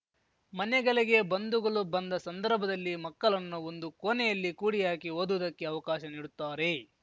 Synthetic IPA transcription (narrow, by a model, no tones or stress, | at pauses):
mɐnɛɡɐleɡe̞bɐnd̪uɡɐɭubɐnd̪ɐsɐnd̪ɐɾbʱɐd̪ɐlːimɐkːɐɭɐnːuond̪ukoːnɛjɐlːikuːɽijaːkiɦoːd̪uʋɐd̪ɐkːe̞ɐʋɐkaːʃɐniːɽut̪ːaːɾe̞